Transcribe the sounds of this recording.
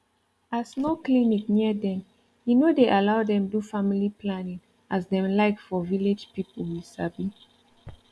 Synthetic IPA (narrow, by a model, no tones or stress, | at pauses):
asnoklinikniədɛ̃m | junodeʔalaʊdɛ̃mdufamiliplanĩŋ | ʔasdɛ̃mlaɪkfɔviled͡ʒpipəwisabi